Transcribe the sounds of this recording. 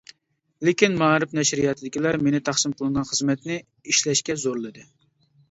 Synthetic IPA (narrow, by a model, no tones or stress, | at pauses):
lɪkʲinmɑːɾɨpnɛʃɾijɑt̪ʰɨd̪ɪkʲilæɾmenɪt̪ʰɑχsɨmqʰʊlˠɨnʁɑnχəzmɛt̪nɪ | iʃlɛʃkʲɛzoɾlˠɨd̪ɨ